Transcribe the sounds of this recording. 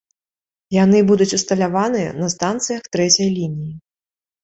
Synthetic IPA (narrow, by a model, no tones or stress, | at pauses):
janɨbud̪ut͡sʲust̪ɐlʲavanɨjɐ̰nɐst̪ant̪sɨjɐxt̪ɾɛt͡sʲɐjlʲinʲiji